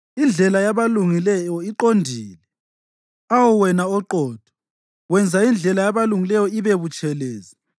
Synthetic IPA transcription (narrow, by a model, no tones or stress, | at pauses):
ind͡ɮʱɛlajaβaluŋilɛjɔiǃondʱiːlɛ | awuɔwɛnaɔǃɔːd̥ʱɔ̥ | wɛnd͡zʱaind͡ɮʱɛlajaβaluŋilɛjɔiβeβut͡ʃʼɛlɛːzɛ